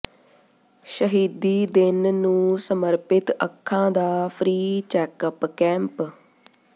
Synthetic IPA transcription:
ʃəɦiːd̪iːd̪ɪnnũːsəməɾpɪt̪əkʰːãːd̪aːpʰɾiːt͡ʃɛːkəpkɛ̃ːmp

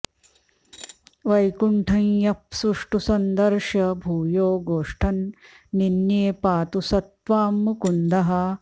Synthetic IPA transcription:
ʋɐjkuɳʈʰɐnjɐpsuʂʈusɐnd̪ɐɾʃjɐbʱuːjoːɡoːʂʈʰɐnː | injeːpaːt̪usɐt̪ʋaːmːukund̪ɐɦɐ

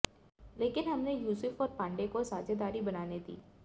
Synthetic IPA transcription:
leːkɪnɦɐmnejuːsɪfɔːɾpãːɳɖekosaːd͡ʒed̪aːɾibɐnaːned̪ḭː

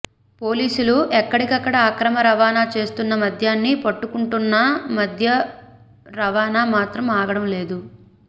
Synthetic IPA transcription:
po̞ːliːsuluʔɛkːɐɽikɐkːɐɽɐakɾɐmɐɾɐʋaːnaːt͡ʃe̞ːst̪unːɐmɐd̪ʱjaːnːipɐʈːukuɳʈunːɐmɐd̪ʱjɐ | ɾɐʋaːnaːmaːt̪ɾɐmaːɡɐɽɐmle̞ːd̪u

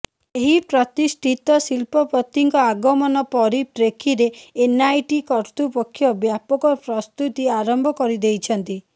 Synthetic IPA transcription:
eɦipɾɔt̪isʈʰit̪ɔsilpɔpɔt̪ːiŋkɔaɡɔmɔnɔpɔɾiʈɾekʰiɾeːnajʈikɔɾt̪upɔkʰːjɔbjapɔkɔpɾɔst̪ut̪iaɾɔmbʱɔkɔɾid̪ejt͡ʃʰɔnt̪i

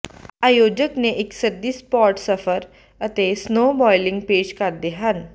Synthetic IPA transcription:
aːjoːd͡ʒəkneʔɪksəɾd̪ispɔːɾʈsəfəɾ | ət̪esnoːbɔːɪlɪ̃ŋɡpeːʃkɐɾd̪eɦən

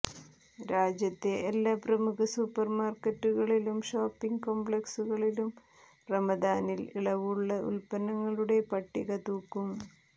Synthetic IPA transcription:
ɾaːd͡ʑjɐt̪ːe̞ʔːlːaːprɐmuɣɐsupːɐrmaːrkɐtːuɣɐɭilumʂoːpːiŋɡkoːmbɭeksuɣɐɭilum | rɐmɐd̪aːniliɭɐʋuɭːɐʔṵlpɐnːɐŋːɐɭuɽe̞pɐʈːiɣɐt̪uːkːum

